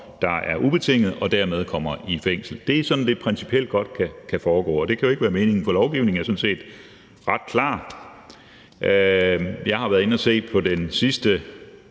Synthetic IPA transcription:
d̥ɑ̈æɐʔub̥e̝t͡sʰe̝ŋ̰ð̩ˠɒ̽d̥æɐmeð̞ˠkʰɒ̽m̰ɐifeŋ̰sl̩d̥e̝sɒ̽d̥n̩d̥e̝̥pʰʁɛnsi̥pʰiel̰d̥̚ɡ̥ɒ̽d̥̚kʰækʰæfɒːɡ̥ɔ̰ːɒd̥e̝kʰæjo̝e̝ɡ̥əʋæːɐme̝ːne̝ŋn̩fɒ̽lɒʊɡ̥iʊ̰ne̝ŋ̩æɐsn̩se̝̰ːd̥ | ʁɑ̈d̥̚kʰlɑ̰̈ː | ʔøjɑ̈ɪhɑ̈ʋæɐðˠe̝nɒse̝̰ːpʰɒ̽d̥ensisd̥ə

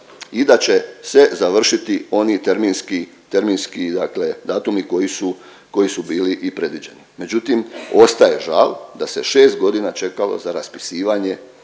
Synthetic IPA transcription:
id̪at͡ɕe̞se̞zaʋr̩ʃit̪io̞nit̪eɾmiːnski | t̪e̞ɾmiːnskid̪aːkle̞d̪aːt̪umiko̞jisu | ko̞isubiːliʔipɾe̞d̪ʋid͡ʑe̞nime̞d͡ʒut̪imo̞st̪aje̞ʒald̪ase̞ʃe̞ːst̪̚ɡo̞d̪inat͡ʃe̞kalo̞̰zaɾaspi̥siːʋaɲe̞

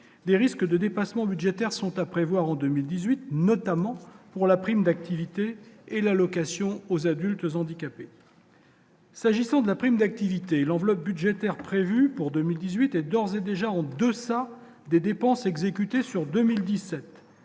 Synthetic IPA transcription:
d̪eʁiskəd̪əd̪epasmɑ̃byd̪ʒet̪ɛʁsɔ̃t̪apχevwaʁɑ̃d̪ømild̪izɥit̪nɔt̪amɑ̃puʁlapχimd̪ak̚t̪ʰivit̪eːlalɔkasjɔ̃ozad̪ylt̪zɑ̃d̪ikʲape | saʒisɑ̃d̪əlapχimd̪ak̚t̪ivit̪elɑ̃vlɔp̚byd̪ʒet̪ɛʁpχevypuʁd̪ømild̪izɥit̪ɛd̪ɔʁzed̪eʒaɑ̃d̪əsa | d̪ed̪epɑ̃sɛɡzekʲyt̪esyʁd̪əmild̪isɛt̪

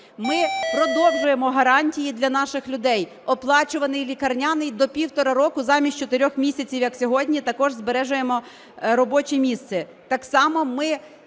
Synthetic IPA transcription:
mɪpɾɔd̪ɔwʒʊje̞mɔɦɐɾɑnʲtʲijid̪lʲɐnɑʃɪxlʲʊd̪ɛj | ɔplˠɑt͡ʃʊʋɐnɪjlʲikɐrnʲɑnɪjd̪ɔpʲiwt̪ɔɾɐɾɔkʊzɑmʲisʲt͡ʃɔt̪ɪɾʲɔxmʲisʲɐt͡sʲiwjɐksʲɔɦɔdʲnʲit̪ɐkɔʒzbeɾɛʒʊjemɔ | ɾɔbɔt͡ʃimʲist̪sɛ | t̪ɑksɑmɔmɪ

